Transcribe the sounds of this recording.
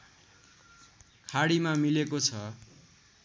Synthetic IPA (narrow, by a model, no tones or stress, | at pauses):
kʰaɽimamilekot͡sʰʌ